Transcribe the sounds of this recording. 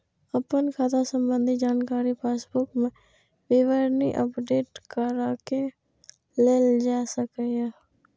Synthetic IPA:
əpənkʰat̪ʰasə̃mbə̃nd̪ʱid͡ʒaːnkaːɾipʰeːsbʊkmẽ | ʋɪʋəɾniʔə̰pɖeːʈkəɾaːke | leːld͡ʒaːsəkeɦɛː

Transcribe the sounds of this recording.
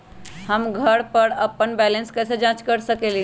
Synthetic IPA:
həmɡʱəɾpəɾəpːənbɛlənskəjsẽd͡ʒãt͡ʃkəɾsəkeli

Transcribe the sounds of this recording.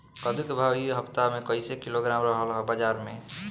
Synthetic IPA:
kəd̪ukbʱaiɦəpt̪amekəɪsekiloɡɾamɾəɦəlɦəbəd͡ʒaɾmẽ

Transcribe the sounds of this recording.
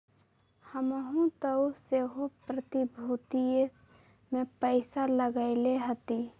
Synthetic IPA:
həməɦũt̪əwseɦopɾət̪ibʱut̪ie | mẽpəɪsaləɡəɪleɦət̪i

